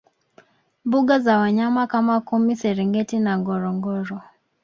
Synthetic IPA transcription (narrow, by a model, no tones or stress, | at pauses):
mbuɠazawaɲamakamakumisɛɾiŋɡɛtinaŋɡɔɾɔŋɡɔɾɔ